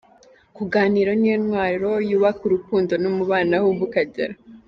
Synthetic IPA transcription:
kuɡaːniɾonijenwaːɾɾo̞juːβakuɾukuːndo̞nomuβaːnahuβukaɟa̰ɾa

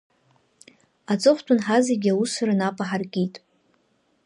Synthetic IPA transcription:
at͡sʼɨχʷtʰʷʼʊnħazeɡʲawusɨɾanapʼaħarkʲʼitʼ

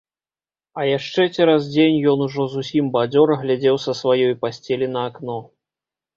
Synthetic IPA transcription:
ɐjaʂt͡ʂɛt͡sʲɛɾazd͡zʲenʲjɔnuʐɔzusʲimbad͡zʲɔɾɐɣlʲad͡zʲɛwsɐsvajɔjpasʲt͡sʲelʲinɐːknɔ

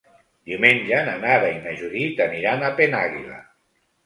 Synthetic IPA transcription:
d̪iumeɲʲd͡ʒananaɾainaʒuɾit̪əniɾanapenaɣḭla̰

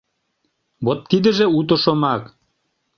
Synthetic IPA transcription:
βot̪ːid̪ə̆ʒeut̪̬ŏʃomɑk

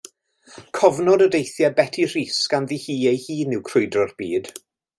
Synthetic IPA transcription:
kʰɔvnɔdədejθjabɛtʰir̥iːsɡ̥anðihiːejhiːnɪwkʰrʊɨdrɔrb̥iːd̥

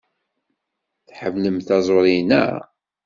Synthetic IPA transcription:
θħəvləmθɑzˤoɾˤinæ̰

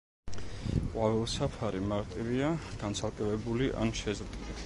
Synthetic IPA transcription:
qʼwavɛlˠsapʰaɾimaɾt̪ʼiviaɡ̥ant̪sʰalˠkʼɛvɛbuliʔa̰nʃɛzɾt̪ʼili

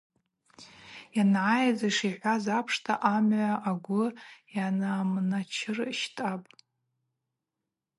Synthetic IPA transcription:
janʕajd͡zaʂiħʷazapʰʂtʰaʔamʕʷaʔaɡʷʊjanamnat͡ʃʰɪrʃtʼapʼ

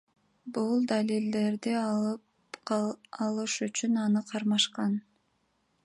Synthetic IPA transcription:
bulˠd̪alʲild̪e̞ɾd̪i | ɑlˠɯʃyt͡ʃynɑnɯqʰɑɾmɑʃqɑn

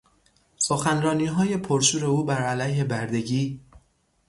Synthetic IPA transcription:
soxænɾɒːniːɦɒːje̞pʰoɾʃuːɾe̞uːbæɾælæjhe̞bæɾd̪e̞ɟiː

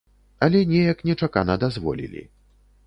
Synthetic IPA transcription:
ɐlʲɛnʲɛjɐknʲɛt͡ʂaka̰nɐd̪azvɔ̰lʲḭlʲḭ

